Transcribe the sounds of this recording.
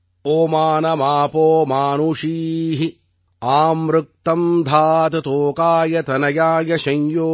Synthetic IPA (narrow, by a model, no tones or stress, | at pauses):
oːmaːnɐmaːpoːmaːnuʂiːɦi | aːmɾuk̚t̪ɐmd̪ʱaːt̪ɐt̪oːkaːjɐt̪ɐnɐjaːjɐʃɐ̃ɲjoː